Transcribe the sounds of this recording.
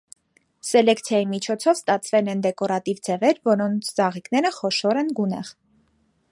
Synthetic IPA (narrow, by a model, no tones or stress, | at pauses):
sɛlɛkt͡sʰjɑjimit͡ʃʰɔt͡sʰɔvst̪ɑt͡sʰvɛlɛnd̪ɛkɔɾɑt̪ivd͡zɛvɛɾvɔɾɔnt͡sʰd͡zɑʁiknɛɾəχɔʃɔɾɛnɡunɛʁ